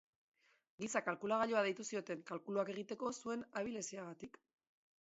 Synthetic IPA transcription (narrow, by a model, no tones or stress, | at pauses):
ɡisakalkulaɣaʎo̞aðejt̪usio̞t̪e̞ŋkalkuluake̞ɣ̞it̪e̞ko̞sue̞naβile̞siaɣat̪ik